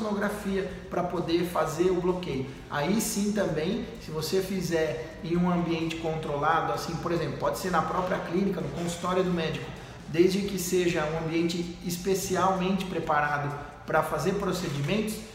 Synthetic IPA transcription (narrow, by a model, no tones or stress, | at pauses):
noɡɾafiɐ | pɾɐpod̪eɾfazeɾʊblokejʊ | a̰isĩt̪ɐ̃mbẽj̃sɪvosefizɛɾ | ẽj̃ũɐ̃mbiẽnt͡ʃɪ̥kõnt̪ɾolad̪ʊasĩpoɾezẽmplʊpɔd͡ʒɪseɾnɐpɾɔpɾiɐklĩnikɐnʊkõsu̥t̪ɔɾjʊd̪ʊmɛd͡ʒikʊ̥ | d̪ejzd͡ʒɪkɪseʒɐũɐ̃mbiẽnt͡ʃɪːspesiawmẽnt͡ʃɪ̥pɾepaɾad̪ʊ | pɾɐfazeɾpɾosed͡ʒimẽnt̪ʊs